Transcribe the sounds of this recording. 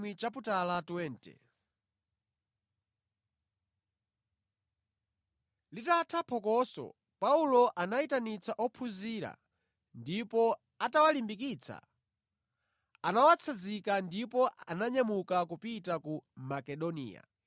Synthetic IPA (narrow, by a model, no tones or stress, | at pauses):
wit͡ʃap̬utalatwɛːntɛ̰ | litatʰapʰɔkɔsɔ̰ | paulɔʔanaitanit͡saʔɔpʰuziɾa̰ | ndipɔ | atawalimbikit͡sʰa̰ | anawat͡sʰazikandipɔanaɲamukakupitakumakɛɗɔnḭːja̰